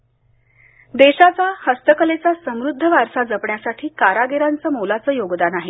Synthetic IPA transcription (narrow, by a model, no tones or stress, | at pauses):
d̪eɕat͡sahəst̪əkəlet͡sasəmɾud̪ʱːəʋaɾsad͡zəpɳjasaʈʰiːkaɾaɡeɾant͡səːmolat͡səːjoɡd̪anaɦi